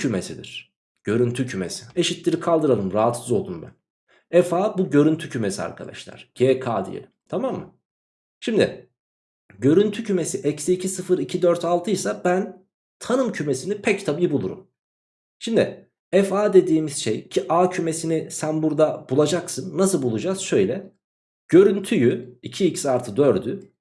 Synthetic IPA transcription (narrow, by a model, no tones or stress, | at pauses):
yme̞sid̪ḭɾ̥ | ɟ̥ø̞ɾynt̪ʰycʰyme̞̰sie̞ʃit̪lʲiɾikʰalˠd̪ɯɾalˠɯmɾaɦat̪sɯzo̞lˠd̪unbæ̰n | ɛfaːbuɟø̞ɾynt̪ʰycʰyme̞sia̰ɾkʰa̰d̪a̰ʃlˠa̰ɾ̥ɟ̥eːkʰaːd̪ḭjḛlʲimt̪ʰamamːɯ̰ | ʃimd̪ɪ̰ | ɟø̞ɾynt̪ʰycʰymesiʔɛcsecʰisɯfɯɾicʰid̪øɾt̪ʰalˠt̪ʰɯjsabæn | t̪ʰanɯmcʰyme̞sinipʰɛct̪ʰabijbulˠṵɾṵm | ʃimd̪ɪ̰ | ɛfaːd̪e̞d̪iːmiz̥ʃḛjcʰiʔaːcʰyme̞sinisænbuɾd̪ab̥ulˠad͡ʒaksɯnːasɯlˠbulˠud͡ʒaːz̥ʃø̞jlʲɛ | ɟ̥ø̞ɾynt̪ʰyjyicʰiːcsaɾt̪ʰɯd̪øɾd̪y